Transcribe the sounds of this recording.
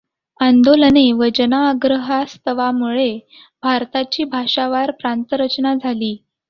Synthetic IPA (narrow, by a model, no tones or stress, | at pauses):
and̪oləneʋəd͡ʑənaːɡɾəɦast̪əʋamuɭe | bʱaɾt̪at͡ɕiːbʱaʂaʋaɾpɾant̪əɾət͡ɕnad͡zʱaliː